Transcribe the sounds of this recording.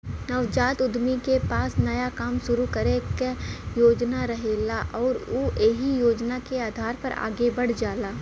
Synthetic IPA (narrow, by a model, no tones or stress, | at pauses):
nɐʋd͡ʒaːt̪ʊd̪ʱmikepaːsnɐjakaːmʃʊɾukɐɾekjoːd͡ʒnaɾɐɦeːlaʔɔːɾuːʔeːɦijoːd͡ʒnakeaːd̪ʱaːɾpɐ̰ɾa̰ːɡebɐɽ̤d͡ʒaːlaː